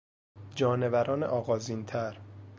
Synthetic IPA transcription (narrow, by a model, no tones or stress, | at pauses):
d͡ʒɒːne̞væɾɒːnḛʔɒːɣɒːziːnt̪ʰæɾ